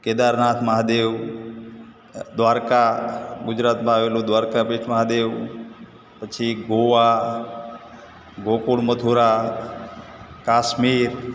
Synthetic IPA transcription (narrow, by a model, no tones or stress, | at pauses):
ked̪aɾnat̪ʰməɦad̪eʋ | d̪ʋaːɾkaɡʊd͡ʒɾaːt̪mãaːʋelũd̪ʋaːɾkapeʈʰməɦad̪eʋ | pət͡ʃʰiɡoʋa | ɡokuɽməd̪ʱuɾa | kaːʃmiɾ